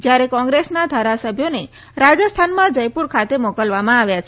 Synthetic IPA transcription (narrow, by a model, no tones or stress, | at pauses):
d͡ʒjaɾekɔ̃ŋɡɾesnad̪ʱaɾasəbʱjone | ɾad͡ʒəst̪ʰanmãd͡ʒəjpuɾkʰat̪emokəlʋamãaʋjat͡ʃʰe